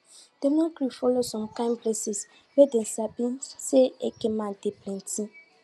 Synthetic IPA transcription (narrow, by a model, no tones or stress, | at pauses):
d̥enɔkɾifɔlosɔ̃mkãɪ̃mplesis | weden̩sabĩnseekẽmãndeplɛ̃ntʰĩ